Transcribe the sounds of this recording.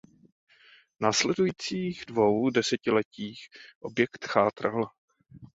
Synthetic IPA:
naːslɛdujiːt͡siːɣdvo̞wdɛsɛcɪlɛciːxʔo̞bjɛkt̪xaːt̪ɾal

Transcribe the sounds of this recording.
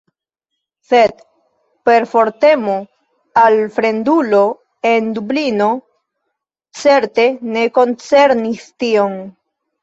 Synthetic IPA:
se̞d̪ | pe̞ɾfo̞ɾte̞mo̞ | alfɾe̞ndulo̞ | e̞ndublino̞ | t͡se̞ɾte̞ne̞ko̞nt͡se̞ɾnistio̞n

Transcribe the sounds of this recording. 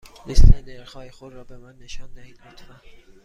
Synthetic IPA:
nesleneɾxɒːjexod̪ɾɒːbemænːeʃɒːnd̪æhiːd̪but̪ʰvæ

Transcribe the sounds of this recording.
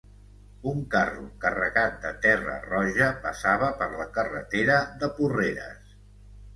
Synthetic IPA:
uŋkarṵkərəɣat̪̚d̪ət̪ɛrə̰rɔʒəpəsaβ̞əpəɾləkərə̰t̪eɾəðəpureɾə̰s

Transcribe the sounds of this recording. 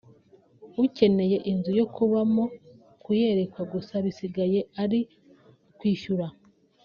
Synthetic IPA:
uce̞ne̞je̞ʔinzujo̞kuβamo̞ | kuje̞ɾe̞kwaɡusaβisiɡaje̞aɾi | kwiːʃuɾa

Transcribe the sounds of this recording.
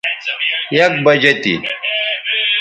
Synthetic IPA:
jɐk̚bɐd͡ʑet̪ḭ

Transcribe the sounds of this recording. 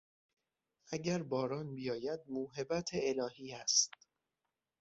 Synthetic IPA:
ʔæɟæɾbɒːɾɒːnbijɒːjæd̪̚muːɦe̞bæt̪ʰeːlɒːhiːæst̪

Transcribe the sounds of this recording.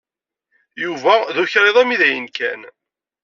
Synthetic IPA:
juvæðuçɾeðˤæmiðæjənkæ̰n

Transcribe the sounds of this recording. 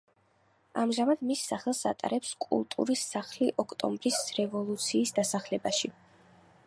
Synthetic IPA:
amʒamad̪misːaχɛlˠsa̰t̪ʼa̰ɾɛpskʼṵlˠt̪ʼṵɾisːaχliʔɔkʰʼt̪ʼɔ̰mbɾisɾɛvɔlˠut̪sʰiːsd̪asaχlɛbaʃi

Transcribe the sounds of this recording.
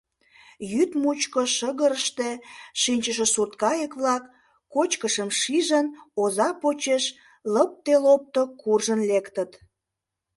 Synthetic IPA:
jyt̪mut͡ɕkoʃəɣəɾəʃt̪eʃinʲt͡ɕəʃ̬esurt̪kɑjəkβlɑkː | ot͡ɕkəʃəmʃiʒənozɑpot͡ɕeʃ | ləp̚t̪elop̚t̪okurʒənlekt̪ət̪

